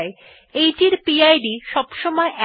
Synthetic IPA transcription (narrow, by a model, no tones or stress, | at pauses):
e | ejʈiɾpiajɖiʃɔbʃɔmɔeʔɛ